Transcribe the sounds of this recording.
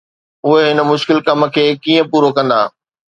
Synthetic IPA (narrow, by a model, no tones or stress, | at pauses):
ʊɦeɦɪnə̆mʊʃkɪlkɐm̆kʰeːkiːə̃puːɾokɐ̃nd̪a̰ː